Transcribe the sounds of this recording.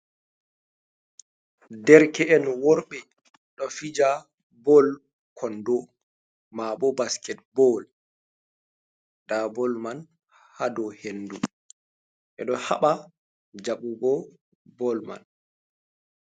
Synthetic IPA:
dɛɾkɛɛnwɔɾɓɛ | ɗɔfid͡ʒa | bɔl | kʰɔndɔ | maɓɔbaskɛt̚bɔl | d̥abɔlman | hadɔhendu | ʔɛ̰ɗɔhaɓa | d͡ʒaɓubɔ | bɔlma̰n

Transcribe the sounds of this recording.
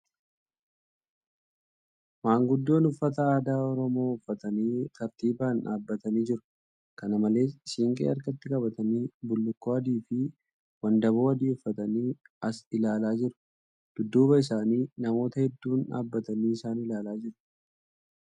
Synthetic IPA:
maːŋɡʊd̪ːo̞ːnʊfːɐt̪ɐaːd̪aːɔɾɔmo̞ːʊfːɐt̪ɐniːk̪ɐɾt̪iːbaːna̰ːbːɐt̪ɐniːd͡ʒɪɾʊ̥ | kɐnɐmɐle̞ːsɪʃiːŋkʼḛːɐɾkɐt̪ːɪkɐbɐt̪ɐniːbʊlːʊkːoːɐd̪iːfɪ | wɐnd̪ɐβo̞ːɐd̪iːʊfːɐt̪ɐniːɐsɪlaːlaːd͡ʒɪɾʊ̥ | d̪̥ʊd̪ːuːbɐɪs̬aːniːnɐmo̞ːt̪ɐhɛd̪ːuːna̰ːbːɐt̪ɐniːɪsaːnɪlaːlaːd͡ʒɪɾʊ̥

